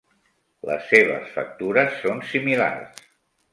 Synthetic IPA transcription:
lə̰sːeβə̰sfək̚t̪uɾəsːonsimila̰rs

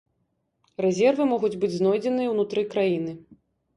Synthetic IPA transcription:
rɛzʲɛrvɨmɔɣud͡zʲbɨd͡zʲznɔjd͡zʲɛnɨjɐwnut̪ɾɨkɾajinɨ

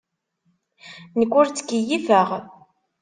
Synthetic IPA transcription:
nəkʷːʊɾt͡sːə̥kːijivæʁ

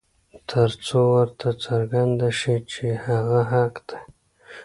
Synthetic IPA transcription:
t̪ʰəɾt͡sowəɾt̪ʰat͡saɾɡand̪aʃit͡ʃehaɣaɦaqd̪̥e

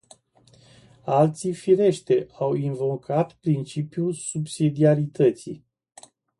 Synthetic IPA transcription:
alt̪sifiɾe̞ʃt̪eawinvo̞kʰat̪pɾint͡ʃipjulsubsid̪iaɾit̪ət̪sḭ

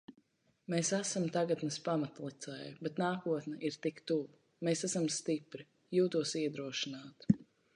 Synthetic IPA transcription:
mesæsamt̪aɡat̪nɨspamat̪lˠit̪sɛjabɛt̪naːkuɔt̪nɛʔiɾt̪ikt̪uv | mesæsamst̪ipɾi | juːt̪uɔsiɛd̪ɾuɔʃinaːt̪

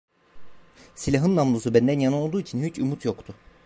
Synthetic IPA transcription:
silʲaɦɯnːamlˠusubænd̪ænjanɯno̞lˠd̪uːicʰinhyt͡ʃʰumut̪ʰjokt̪ʰʊ

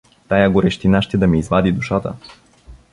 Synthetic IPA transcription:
t̪ajaɡoɾɛʃt̪inaʃt̪ɛd̪ɐmiːzvad̪id̪uʃat̪ə̰

